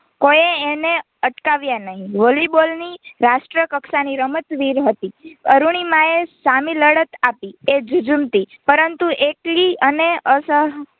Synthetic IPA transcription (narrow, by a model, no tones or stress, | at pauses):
kojeːne | əʈkaʋjanəɦĩʋolibolniɾasʈɾəkəksaniɾəmət̪ʋiɾɦət̪iəɾuɳ̃imãesamiləɽət̪apied͡ʒud͡ʒəmt̪ipəɾənt̪uʔekɭiəneəsəɦ